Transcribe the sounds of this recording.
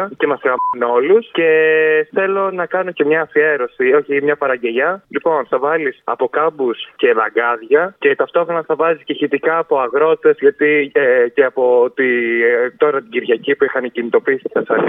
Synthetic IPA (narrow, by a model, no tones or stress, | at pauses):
ce̞mɐsɣɐmɐno̞lusce̞θe̞lo̞nɐkɐno̞cemɲɐːfie̞ɾo̞sio̞çimɲɐpɐɾɐɲɟe̞ʎɐlipo̞nθɐvɐlisɐ̰po̞kɐbusce̞lɐɡɐðʝɐce̞t̪ɐft̪o̞xɾo̞nɐθɐvɐzisceçit̪ikɐːpo̞ɐɣɾo̞t̪e̞zʝɐt̪ieceɐpo̞t̪it̪o̞ɾɐt̪iɟiɾʝɐcipuixɐncinit̪o̞pisi̥t̪i̥sɐsɐn